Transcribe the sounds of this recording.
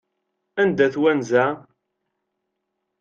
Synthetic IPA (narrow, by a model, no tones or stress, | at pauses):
ænd̪æθwænzæ